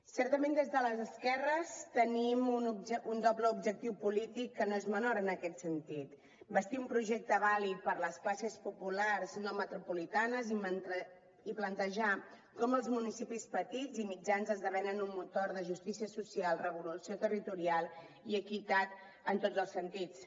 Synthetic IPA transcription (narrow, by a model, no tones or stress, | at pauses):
sɛɾt̪əmend̪ezðələzəskɛrəst̪ənimunuund̪ɔbləubʒək̚t̪iwpulit̪ikːənoezmənoɾəːnəkɛt̪sənt̪it̪ | bəst̪iumpɾuʒɛk̚t̪əβalit̪̚pəɾləsklasəspupularznomət̪ɾupulit̪anəzi | iplənt̪əʒa | kɔməlˠzmunisipispət̪izimid͡ʒanzəzðəβɛnənunmut̪oɾðəʒust̪isiəsusialˠrəβulusiot̪ərit̪uɾialˠ | iəkit̪at̪ | ənt̪od͡zəlˠsənt̪it͡s